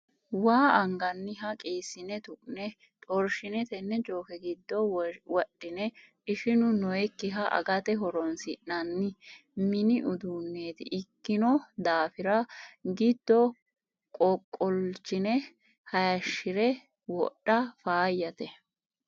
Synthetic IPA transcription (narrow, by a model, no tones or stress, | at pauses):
waːʔɐŋɡɐnːɪɦɐkʼeːsːɪnɛt̪ʊʔʼnɛ | t̪ʼɔɾʃɪnɛt̪ɛnːɛt͡ʃʼoːkɛɡɪd̪ːɔwɔɗːɪnɛʔɪʃɪnʊnɔjɛkːɪɦɐʔɐ̰ɡɐt̪ɛɦɔɾɔnsɪʔɐnːɪmɪnɪʔʊd̪uːnːeːt̪ɪ̰ʔɪkːɪnɔd̪aːfɪɾɐɡɪd̪ːɔ | kʼɔkʼːɔlt͡ʃːɪnɛ | hɐjɐʃːɪɾɛ | wɔ̰ɗːɐfaːjːɐt̪ɛ